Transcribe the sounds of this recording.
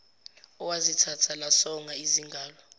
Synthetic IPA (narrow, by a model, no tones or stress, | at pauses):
ɔwazitʰatʰalasɔŋaiziŋɡʱaːlɔ